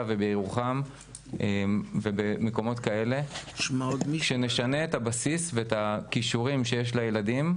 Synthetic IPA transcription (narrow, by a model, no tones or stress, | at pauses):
avebeiʁuχam | emvebemeko̞mo̞t̪kae̞le̞ʃmaodmiʃe̞ne̞ʃane̞ːtabasisveetakiʃuʁimʃe̞jeʃ̬lajeladim